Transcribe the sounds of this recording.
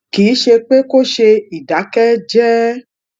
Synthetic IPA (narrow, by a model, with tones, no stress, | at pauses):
kiː˨˦ʃe˧k͡pe˦ko˦ʃe˧i˨da˨˦kɛ˦d͡ʒɛ˦